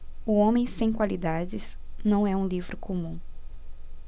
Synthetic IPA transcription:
ʊõmẽj̃sẽj̃kwalid̪ad͡ʒɪz | nɐ̃w̃ɛũlivɾʊkʰomũ

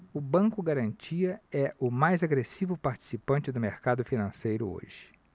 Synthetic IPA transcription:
ʊbɐ̃kʊɡaɾɐ̃nt͡ʃiɐɛʔʊmajzaɡɾesivʊpaɾt͡ʃi̥sipɐ̃nt͡ʃɪd̪ʊmeɾkad̪ʊfinɐ̃sejɾʊo̰ʒɪ̥

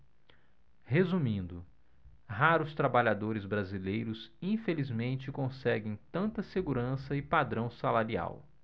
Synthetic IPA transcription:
hezumĩnd̪ʊ | ɦaɾʊst̪ɾabaʎad̪oɾɪzbɾazilejɾʊzĩfelizmẽnt͡ʃɪkõsɛɡẽj̃t̪ɐ̃nt̪ɐseɡuɾɐ̃sɐɪpad̪ɾɐ̃w̃salaɾia̰w

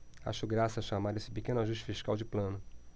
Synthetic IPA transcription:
a̰ʃʊɡɾasɐʃamaɾesɪ̥pekẽnʊaʒuʃt͡ʃɪ̥fiʃkawd͡ʒɪplɐ̃nʊ

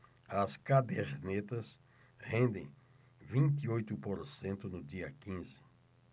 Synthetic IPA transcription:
ɐskabeɾnet̪ɐs | hẽnd̪ḛ̃j̃ | vĩnt̪iojt̪ʊpoɾsẽnt̪ʊnʊd̪iɐkĩzɪ̥

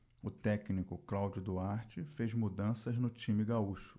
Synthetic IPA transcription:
ʊt̪ɛknikʊklawd͡ʒʊd̪uaɾt͡ʃɪfezmud̪ɐ̃sɐznʊt͡ʃĩmɪɡauʃʊ̥

